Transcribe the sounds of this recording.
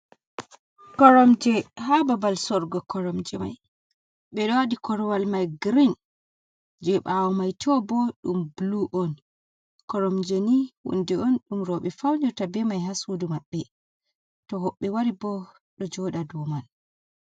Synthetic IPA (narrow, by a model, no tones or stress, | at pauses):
kɔɾɔmd͡ʒɛhababalsɔɾɡɔkɔɾɔmd͡ʒɛma̰j | ɓɛɗɔwadikɔɾɔwalmajɡɾin | d͡ʒɛɓawɔmajtʰɔbɔɗumbluʔɔn | kɔɾɔmd͡ʒeniwṵndɛɔnɗumɾɔɓɛfawɲɔtabɛmajhasudumaɓːɛ | tɔɦɔɓːɛwaɾibɔ | ɗɔd͡ʒɔɗadɔman